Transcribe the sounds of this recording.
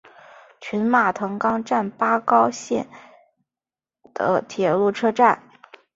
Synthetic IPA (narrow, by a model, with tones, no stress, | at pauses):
t͡ɕʰy˧˥nma˥˩t̪ʰɤ˧˥ŋkɑ˥ŋʈ͡ʂa˥˩npa˥kɑ˥ʊɕjɛ̰˥˩n | d̪̥ə̰˩t̪ʰjɛ˨˩lu˥˩ʈ͡ʂʰɤ˥ʈ͡ʂa˥˩n